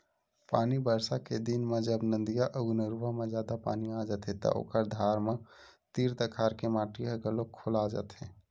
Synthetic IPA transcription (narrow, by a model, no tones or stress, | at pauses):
paːnibəɾsaked̪inmẽd͡ʒəbnə̃nd̪ijaʔəɡnəɾuʋamẽd͡ʒaːd̪apa̰ːniaːd͡ʒət̪ɦɛt̪ɐ̰ʔo̰ːkəɾd̪ʱaːɾmẽt̪iːɾt̪əkʰaːɾkemaːʈiaɡəlokʰolaːd͡ʒə̰t̪ɦɛ̰ː